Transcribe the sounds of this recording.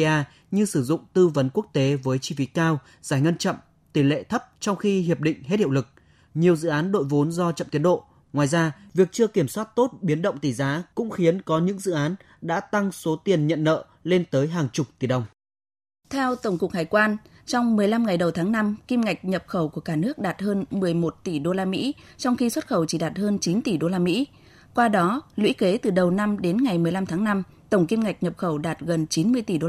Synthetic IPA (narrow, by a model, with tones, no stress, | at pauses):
ʔaː˧ | ɲɨ˧sɨ˧˩zʊ̰˧˨ŋ͡mt̪ɨ˧və˨˦nku˦˥ək̚t̪e˨˦vəː˨˦jt͡ɕi˧fi˨˦kaː˧w | zaː˧˩jŋə˧nt͡ɕə̰˧˨m | t̪i˧˩lḛ˧˨t̪ʰə˦˥p̚t͡ɕɔ˧wŋ͡mxi˧ɦi˨˩əp̚ɗḭ̈˧˨ŋ̟ɦe˦˥t̚hḭ˧˨lɨ˨˩k̚ | ɲi˨˩əwzɨ̰˧˨ʔaː˨˦nɗo̰˧˨jvo˨˦nzɔ˧t͡ɕə̰˧˨mt̪i˨˦ənɗo̰˧˨ | ŋwaː˨˩jzaː˧vi˨˩ək̚t͡ɕɨ˧əki˧˩əmswaː˦˥t̚t̪o˦˥t̚ɓi˨˦ənɗə̰˧˨wŋ͡mt̪i˧˩zaː˨˦kʊ̰˧˥ŋ͡mxi˨˦ənkɔ˨˦ɲɨ̰˧˥ŋzɨ̰˧˨ʔaː˨˦n | ɗa̰ː˧˥t̪a˧ŋso˨˦t̪i˨˩ənɲə̰˧˨nːə̰ː˧˨ | le˧nt̪əː˨˦jɦaː˨˩ŋt͡ɕʊ˨˩k͡p̚t̪i˨˩ɗə˨˩wŋ͡m | t̪ʰɛ˧wt̪ə˧˩wŋ͡mkʊ˨˩k̚haː˨˩jkwaː˧n | t͡ɕɔ˧wŋ͡mmɨ˨˩əjla˧mŋa˨˩jɗə˨˩wt̪ʰaː˨˦ŋna˧mki˧mŋa˨˩jk̟̚ɲə˨˩p̚xə˧˩wku˧˩əkaː˧˩nɨ˦˥ək̚ɗaː˨˩t̚həː˧nmɨ˨˩əjmo˨˩t̚t̪i˧˩ɗo˧laː˧mḭ˧˥t͡ɕɔ˧wŋ͡mxi˧swə˦˥t̚xə˧˩wt͡ɕi˧˩ɗaː˨˩t̚həː˧nt͡ɕi˨˦nt̪i˧˩ɗo˧laː˧mḭ˧˥ | kwaː˧ɗɔ˨˦lwḭ˧˥ke˨˦t̪ɨ˨˩ɗə˨˩wna˧mɗe˨˦nŋa˨˩jmɨ˨˩əjla˧mt̪ʰːŋna˧m | t̪ə˧˩wŋ͡mki˧mŋa˨˩jk̟̚ɲə˨˩p̚xə˧˩wɗaː˨˩t̚ɣə˨˩nt͡ɕi˨˦nmɨ˧əjt̪i˧˩ɗo˧